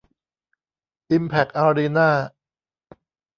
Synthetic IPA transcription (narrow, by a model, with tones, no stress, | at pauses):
ʔi˧mpʰɛ˨˩k̚ʔaː˧ɾiː˧naː˥˩